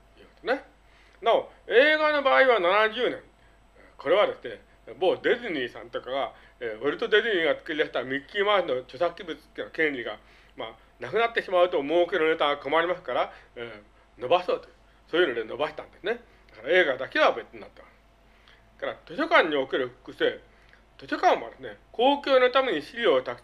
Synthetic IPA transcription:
jɯkot̪one | naoe̞ːɡano̞baːiβananaʑɨːnẽ̞n | ko̞ɾe̞β̞ad̪e̞sɨne | mo̞ːd̪e̞zɨɲ̟ʲiːsã̰nt̪o̞kaɡa | eβaɾʲit̪ːo̞d̪e̞ziɲ̟ʲiːɡat͡sɨ̥kɯɾʲid̪aɕit̪amʲiimaːɕino̞t͡ɕo̞sakʲːibɯ̟t͡sɨ̥t̪ːeɯ̟nokẽɲɾʲiɡa | ma | nakɯnat̪ːe̞ɕimaɯ̟t̪o̞moːkeɾɯ̟net̪ãkomaɾʲimasɨ̥kaɾa | no̞baso̞ːt̪oɯ | so̞ːjɯno̞d̪eno̞baɕi̥t̪ã̰nd̪e̞sɨne̞ | d̪̥akaɾae̞ːɡad̪ake̞βabe̞t͡sɨɲ̟ina̰t̪ːemas | kaɾat̪o̞ɕo̞kãɲ̟ːio̞ke̞ɾɯ̟ɸɯ̟̥kɯ̟seː | t̪o̞ɕo̞kãɰ̃mod̪esɨneko̞ːkʲoːno̞t̪ame̞ɲ̟iɕiɾʲio̞ːt̪ak

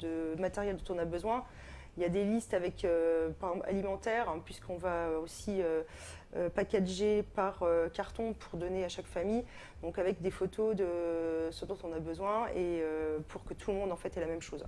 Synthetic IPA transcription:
d̪əmat̪eʁjɛld̪ɔ̃t̪ɔ̃nabəzwɛ̃ | iljad̪elist̪avɛkøpaʁɛɡzɑ̃pa̰limɑ̃t̪ɛʁɛ̃pɥiskɔ̃vaøosiø | øpakʲaʒepaʁøkaʁt̪ɔ̃pʰuʁd̪ɔneaʃakfamij | d̪ɔ̃kavɛkd̪efot̪ʰod̪əsyʁd̪ɔ̃t̪ɔ̃nabəzwɛ̃eøpʰuʁkət̪ʰuləmɔ̃d̪ɑ̃fɛt̪ɛlamɛmʃoːz

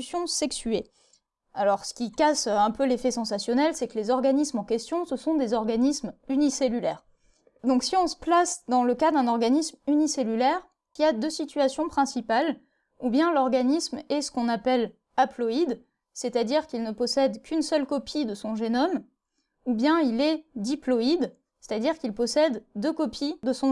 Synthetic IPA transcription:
sjɔ̃sɛksye | alɔʁsə̥kʲikasɛ̃pølefɛsɑ̃sasjɔnɛlsɛklezɔʁɡanismɑ̃kʲɛst̪jɔ̃səsɔ̃d̪ezɔʁɡanismyniselylɛːʁ | d̪ɔ̃ksiɔ̃sə̥plasd̪ɑ̃ləkad̪ɛ̃nɔʁɡanismyniselylɛʁ | iad̪øsit̪ɥasjɔ̃pχɛ̃sipal | ubjɛ̃lɔʁɡanismɛsə̥kɔ̃napɛl | aplɔid̪ | set̪ad̪iʁkilnəpɔsɛd̪kʲʰynsœlkɔpʰid̪əsɔ̃ʒenɔm | ubjɛ̃ilɛd̪iplɔid̪ | se̥t̪ad̪iʁkilpɔsɛd̪ːøkɔpʰid̪əsɔ̃

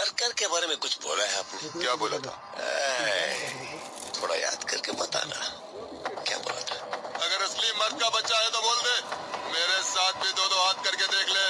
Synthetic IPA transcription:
ɐɾkɐɾkebaːɾemẽkʊt͡ʃʰbo̰ːlaɦɛaːpnekjaːboːlat̪ʰa̰ː | t̪ʰoːɽa̰ja̰ːd̪kɐɾkepɐt̪a̰na̰ | kja̰ːbo̰ːla̰t̪ʰḁːɐɡəɾɪslimːɐɾd̪̚kabɐtːt͡ʃaɦet̪oboːld̪eːmeːɾesaːt̪̚ʰbʱid̪oːd̪oɦaːt̪̚kɐɾked̪eːkʰlẽː

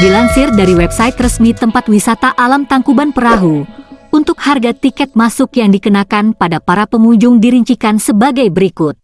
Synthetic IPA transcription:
dilansɪrdaɾiwɛpsait̪rəsmit̪əmpat̪wisat̪aʔalamt̪aŋkubanpəɾaɦuunt̪ʊkharɡat̪ikɛt̪̚masʊkjaŋdikənakanpadapaɾapəmuɲd͡ʒʊŋdiɾiɲt͡ʃikansəbaɡajbəɾikʊt̪̚

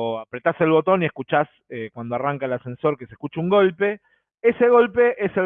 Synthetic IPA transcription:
apɾe̞t̪ase̞lβo̞t̪o̞niehkut͡ʃas | ekwand̪o̞araŋkaelasẽ̞nso̞ɾkesehkut͡ʃeuŋɡo̞lpe̞ | ese̞ɣo̞lpe̞ʔese

